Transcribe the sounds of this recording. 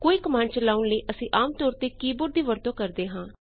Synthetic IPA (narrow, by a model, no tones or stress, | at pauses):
koːiːkəmaːnt͡ʃəlaːʊnləiːʔəsĩːʔaːmt̪ɔːɾt̪eːkiːbʊɾd̪iːʋəɾt̪õːkəɾd̪eːɦãː